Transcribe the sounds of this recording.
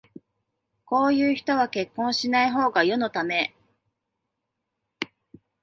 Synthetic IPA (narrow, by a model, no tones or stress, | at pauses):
ko̞ːjɯ̟ːçi̥t̪o̞βake̞kːõ̞ɰ̃ɕinaiɦo̞ːɡajo̞no̞t̪ame̞